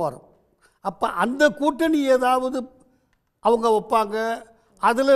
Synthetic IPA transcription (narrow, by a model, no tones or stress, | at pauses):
aːɾɯ̰m | ɐpːɐ̰ːʔɐnd̪ɐkuːʈːɐnieːðaːʋɐðɯ | ʔɐʋɐŋɡɐɔpːaːŋɡɐ | ɐðɪlɐ